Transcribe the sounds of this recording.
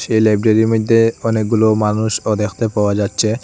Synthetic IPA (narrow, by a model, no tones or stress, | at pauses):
ʃejlajbɾaɾiɾmod̪ʱːeɔnek̚ɡulomanuʃod̪ekʰt̪epaoad͡ʑatːɕʰe